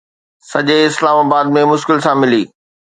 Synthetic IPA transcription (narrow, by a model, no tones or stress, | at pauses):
sɐʄeɪslaːmaːbaːd̪̚mẽmʊʃkɪlsãmɪliː